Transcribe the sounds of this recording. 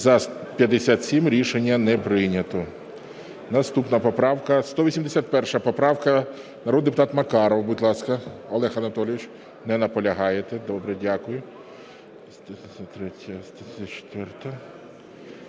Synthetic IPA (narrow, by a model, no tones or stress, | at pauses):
zɐpʲjɐd̪esʲat̪sʲimɾʲiʃenʲːɐnɛpɾɪnʲɐt̪ɔ | nɐst̪upnɐpɔpɾɑwkɐst̪ɔʋʲisʲimd̪esʲat̪̚pɛrʃɐpɔpɾɑwkɐ | nɐɾɔd̪d̪epʊt̪ɑt̪mɐkɑɾɔwbʊtʲlˠɑskɐɔlˠɛxɐnɐt̪ɔlʲɪʋʲit͡ʃ | nɛnɐpɔlʲɐɦɑjet̪ɛd̪ɔbɾɛdʲakʊjʊ | t̪ɾɛtʲɐt̪ʲt͡ʃe̥t̪ʋɛrt̪ɐ